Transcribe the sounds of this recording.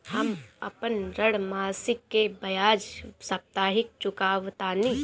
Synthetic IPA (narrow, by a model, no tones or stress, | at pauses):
həmɐ̰pənɾəɽmaːsɪkːebɐjaːd͡ʒsɐp̚t̪aːɦɪk̚t͡ʃʊkaːʋt̪aːni